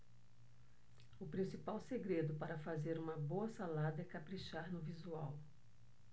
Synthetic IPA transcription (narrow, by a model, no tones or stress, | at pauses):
ʊpɾĩsipawseɡɾed̪ʊpaɾɐfazeɾũmɐboɐsalad̪ɐɛkapɾiʃaɾnʊvizuaw